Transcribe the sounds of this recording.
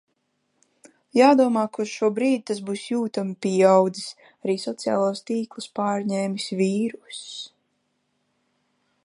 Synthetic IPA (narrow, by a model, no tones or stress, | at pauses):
jaːd̪uɔmaːkusʃuɔbɾiːd̪̚t̪asbuːsjuːt̪amipʲiawd̪zi̥s | aɾiːsɔt̪sija̰ːlˠuːst̪iːklˠuspaːɾɲɛːmisʲvʲiːɾus